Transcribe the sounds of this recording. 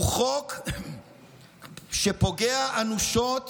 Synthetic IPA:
uχok | ʃepo̞ɡeaʔanuʃot

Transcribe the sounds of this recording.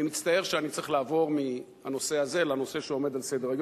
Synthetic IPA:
imit͡st̪ae̞ʁʃeanitt͡seχlaːvo̞ʁmi | ha̰no̞se̞aze̞lano̞se̞ʃeo̞me̞d̪alsejd̪eʁeɡj

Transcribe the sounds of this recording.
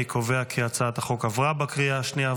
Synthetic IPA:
ikʰoveakʰiat͡saat̪aχo̞kavʁabakʁiaaʃnija

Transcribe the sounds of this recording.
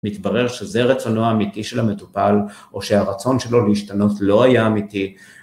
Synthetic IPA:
mit̪baʁe̞ʁʃezeʁet͡so̞noaːmitiʃelame̞tupal | oʃe̞aʁat͡so̞nʃelo̞liiʃtano̞tlo̞ajaːmiti

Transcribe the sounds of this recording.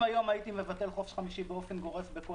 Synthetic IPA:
ajo̞majit̪imevat̪e̞lχo̞fe̥ʃχamiʃibeo̞fenɡo̞ʁefbeko

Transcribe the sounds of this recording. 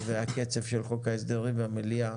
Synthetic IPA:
vehake̞t͡sevʃelχo̞kaes̬d̪eʁiveamelia

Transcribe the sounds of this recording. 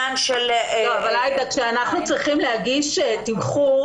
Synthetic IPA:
anʃelavalajt̪akʃeanaχnut͡sʁiχimleaɡiʃetimχu

